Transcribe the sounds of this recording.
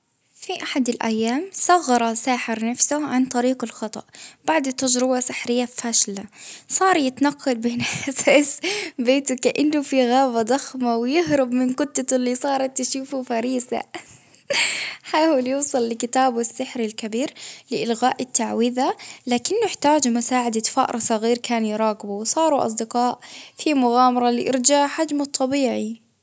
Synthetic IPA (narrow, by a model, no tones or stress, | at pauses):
fiʔaħad̪ɪlʔa̰jːaːmsˤɑɣːɑɾˤɑsaːħɪɾnafsʊʕant̪ˤɑɾiːqɪlxɑt̪ˤɑ̰ʔb̥aʕd̪ɪt̪ːad͡ʒɾɪbasɪħɾɪjːafaːʃlasˤɑːɾˤjɪt̪nɑqːɑl̚beːnʔasaːsbeːt̪ʊkaʔɪnːʊfiɣaːbad̪ˤɑxmawɪjɪɦɾʊbmɪnkʊt̪ːaɪlːisˤɑːɾˤɑt̪ːʃuːfufaɾiːsa̰ | ħaːwɪljuːsˤɑlːɪkɪt̪aːbwɪsːɪħɾɪlkabiːɾlɪʔɪlɣaːʔɪt̪ːaʕwiðalaːkɪnːʊɪħt̪aːd͡ʒmʊsaːʕad̪afa̰ʔɾˤɑsˤɑɣiːɾkʰaːnjɾˤɑːɡɪbuwsˤɑːɾuʔɑ̰s̬ˤd̪ɪqɑːʔfimʊɣaːmɑɾˤɑlɪʔɪɾd͡ʒaʕħad͡ʒmʊt̪ˤːɑbiːʕi